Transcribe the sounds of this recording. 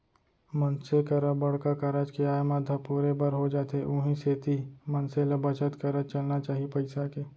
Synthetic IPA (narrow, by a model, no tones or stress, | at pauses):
mɐnsekɐɾəbɐɽkakɐɾad͡ʒkeaːjmad̪ʱɐpuːɾebɐɾɦod͡ʒaːt̪eʔʊ̃ːɦĩseːt̪imɐnselɐbɐt͡ʃət̪kɐɾət͡ʃɐlnat͡ʃaːɦipɐɪsakeː